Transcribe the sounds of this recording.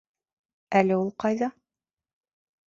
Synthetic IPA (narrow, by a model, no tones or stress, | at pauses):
ælɘulˠqɑjðɑ